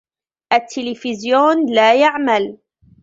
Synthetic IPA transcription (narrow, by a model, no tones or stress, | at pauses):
ʔat̪ʰːɪlɪfɪzjoːnlaːjaʕmal